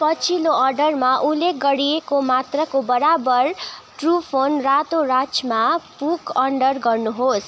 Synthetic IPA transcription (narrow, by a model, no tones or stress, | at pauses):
pʌt͡sʰiloʌrɖʌrmaʔulːek̚ɡʌɽiekomat̪rʌkobʌɾabʌrʈrupʰonrat̪oɾat͡smapukʌɳɖʌrɡʌrnuɦos